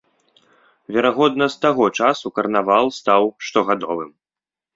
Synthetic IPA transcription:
vʲɛɾaɣɔd̪nɐst̪aɣɔt͡ʂasukɐrnavalˠst̪awʂt̪ɔɣad̪ɔvɨm

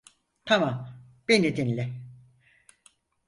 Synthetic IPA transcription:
t̪ʰamam | b̥enid̪inlʲɛ

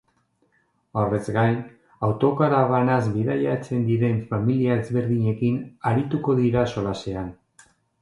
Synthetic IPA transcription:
ore̞zɡajn | awt̪o̞kaɾaβanazβiðajat͡se̞nd̪iɾe̞ɱfamiliae̞zβe̞ɾðiɲe̞kinaɾit̪uko̞ðiɾaso̞lase̞an

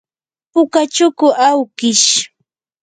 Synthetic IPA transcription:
pʊkat͡ʃʊkʊʔawkɪʃ

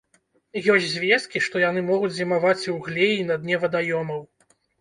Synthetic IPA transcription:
jɔsʲzʲvʲɛskʲiʂt̪ɔjanɨmɔɣud͡zʲzʲimavat͡sʲwɣlʲejinɐd̪nʲɛvɐd̪ajɔmɐw

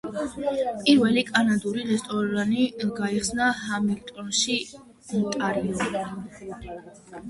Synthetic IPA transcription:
pʼiɾvɛlikʼanad̪uɾiɾɛst̪ʼɔɾaniɡaiχsnahamiŋɡt̪ʼɔnʃi | mt̪ʼaɾiɔi

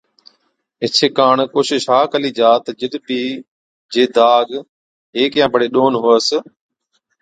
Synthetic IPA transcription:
ɪt͡ʃʰekaːɳkoːʃɪʃɦaːkəliːd͡ʒaːt̪əd͡ʒəɗ̪bʱiː | d͡ʒeːd̪aːɡ | ɦeːkjãːbʱəɽeːɗoːnɦoːəs

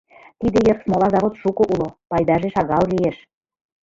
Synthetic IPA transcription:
t̪id̪ĕjɤrsmolɑzɑβot̪ʃukŏʔulopɑjd̪ɑʒeʃɑɣɑllieʃ

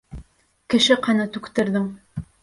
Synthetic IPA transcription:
kɘ̆ʃɘqɑnɑt̪ʉkt̪ɘ̆ɾðɘŋ

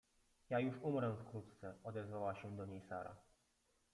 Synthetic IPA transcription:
jajuʂumɾɛ̃fkɾut̪t̪sɛɔd̪ɛzvawaɕɛd̪ɔɲejsaɾa̰

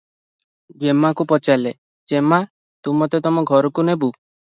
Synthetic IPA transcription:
d͡ʒemakupɔt͡ʃale | d͡ʒema | t̪umɔt̪et̪ɔmɔɡʱɔɾɔkunebu

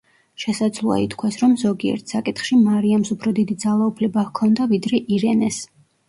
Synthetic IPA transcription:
ʃɛsad̪zlˠua̰it̪ʰkʰwasɾɔmzɔɡiɛ̰ɾt̪ʰsakʼit̪χʃimaɾiamsupʰɾɔd̪id̪id̪zalˠaupʰlɛbakʰɔnd̪avid̪ɾɛʔiɾɛnɛs

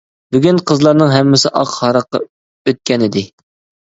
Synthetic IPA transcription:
byɡʲynqʰəzlˠɑɾnɨŋɦɛmːɪsɪʔɑqhɑɾɑqːɑ̰ | øt̪̚kʲɛnɪd̪ɪ

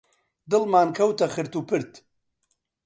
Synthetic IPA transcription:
d̪ɨlmaːnkʰɐwt̪ɐxɨɾt̪uːpʰɨɾt̪

